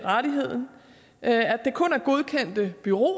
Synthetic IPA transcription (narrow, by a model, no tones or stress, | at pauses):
ʁad̥iɦe̝ð̰ˠn̩ | ædd̥e̝kʰɔ̽næɐɡ̥o̝ð̞ˠkʰen̰d̥əb̥yʁo̝̰